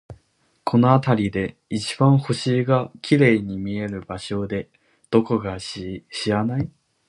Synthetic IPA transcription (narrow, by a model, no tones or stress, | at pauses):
kʰo̞no̞at̪aɾʲid̪e̞ | it͡ɕi̥bãɰ̃ho̞ɕiːɡakʲiɾe̞ːɲ̟imʲie̞ɾɯ̟baɕo̞d̪e̞ | d̪̥o̞ko̞ɡaɕɕianai